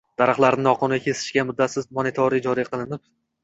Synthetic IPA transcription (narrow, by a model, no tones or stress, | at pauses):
d̪̥aɾaχlˠaɾnɪnɒqʰʊnʲakʲʰe̞sɪ̥ʃkʲamʊd̪ːat̪sɪzmonet̪ʰoɾid͡ʒɒɾijqʰɨlˠɪnɪp̚